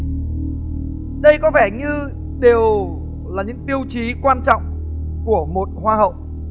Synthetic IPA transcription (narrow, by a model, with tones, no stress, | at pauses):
ɗə˧jkɔ˨˦vɛ˧˩ɲɨ˧ | ɗe˨˩w | laː˨˩ɲɨ̰˧˥ŋɓi˧əwt͡ɕi˨˦kwaː˧nt͡ɕɔ̰˧˨wŋ͡m | ku˧˩əmo˨˩t̚hwaː˧ɦə̰˧˨wʔ